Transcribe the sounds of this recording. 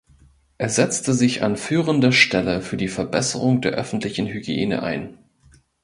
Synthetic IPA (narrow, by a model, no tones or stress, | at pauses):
ʔeːɐzɛt͡stəzɪça̰nfyːʁəndɐʃtɛləfyːɐdiːfɛɐbɛsəʁʊŋdeːɐʔœfn̩tlɪçn̩hyɡjḛːnə̰ʔa̰ɪn